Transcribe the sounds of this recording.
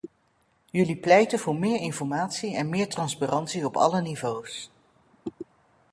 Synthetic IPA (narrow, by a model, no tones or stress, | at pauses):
jɵliplɛjtənvʊːɹmɪːɹɪnfɔɹmaːtsiɛnmɪːɹtrɑnsparʔɑntsiɔpɑ̰lənivows